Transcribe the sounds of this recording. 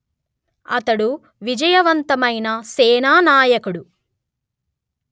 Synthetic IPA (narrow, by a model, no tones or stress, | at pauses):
ɐ̰t̪ɐɽu | ʋid͡ʒɐjɐʋɐnt̪ɐmɐjnɐsɛːnaːnaːjɐkuɽu